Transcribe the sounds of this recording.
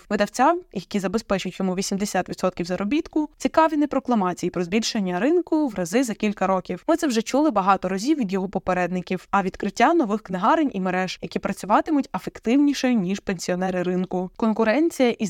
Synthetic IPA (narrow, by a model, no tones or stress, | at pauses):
ʋɪd̪ɐwt͡sʲawjɐkʲizɐbespɛt͡ʃʊtʲjɔmuʋʲisʲimd̪esʲat̪ʋʲid̪sɔt̪kʲiwzɐɾɔbʲit̪kʊt͡sʲikɑʋʲinɛpɾɔklˠɐmɑt͡sʲijipɾɔzbʲilʲʃenʲːɐɾɪnkʊwrɐzɪzɐkʲilʲkɐɾɔkʲiwmɪt̪sɛwʒɛt͡ʃulˠɪbɐɦɑt̪ɔɾɐzʲiwʋʲid̪jɔɦɔpɔpeɾɛd̪nɪkʲiwɐʋʲid̪kɾɪtʲːanɔʋɪxknɪɦɑɾenʲʔimeɾɛʒjɐkʲipɾɐt͡sʲʊʋɑt̪ɪmʊtʲɐfekt̪ɪwnʲiʃejʊnʲiʃpenʲsʲiɔnɛɾɪɾɪnkʊkɔnkʊɾɛnʲt͡sʲijɐʔi